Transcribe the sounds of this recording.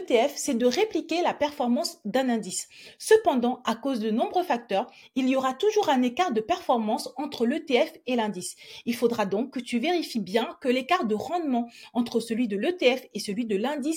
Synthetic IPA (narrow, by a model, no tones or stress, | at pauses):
ət̪eɛfsɛd̪əʁeplikʲelapɛʁfɔʁmɑ̃sd̪ɛ̃nɛ̃d̪isː | əpɑ̃d̪ɑ̃akozd̪ənɔ̃bʁøfak̚t̪œʁ | ilijoʁat̪uʒuʁɛ̃nekaʁd̪əpɛʁfɔʁmɑ̃sɑ̃t̪χəløt̪eɛfelɛ̃d̪isilfod̪ʁad̪ɔ̃kːət̪yveʁifibjɛ̃kəlekaʁd̪əʁɑ̃d̪mɑ̃ɑ̃t̪χəsəlɥid̪əløt̪eɛfesəlɥid̪əlɛ̃d̪is